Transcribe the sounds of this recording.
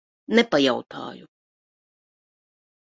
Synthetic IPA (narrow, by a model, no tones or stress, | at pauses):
nɛpajaut̪ʰɑ̰ːju